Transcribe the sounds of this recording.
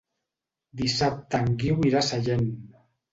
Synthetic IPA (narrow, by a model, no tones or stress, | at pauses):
d̪isap̚t̪aŋɡiwiɾasaʎen